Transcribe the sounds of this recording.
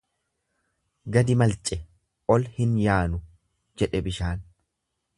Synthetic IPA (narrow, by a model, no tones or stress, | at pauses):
ɡɐd̪ɪmɐlt͡ʃʼɛ | ʔɔlhɪnjaːnʊ | d͡ʒɛᶑɛbɪʃaːn